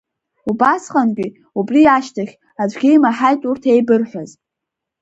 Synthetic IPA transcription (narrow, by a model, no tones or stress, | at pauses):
ubasqʼanɡʲʷʼi | ubriaʃtʰaχʲ | ad͡ʒʷɡʲejmaħajtʼurtʰe̞jbɨrħʷaz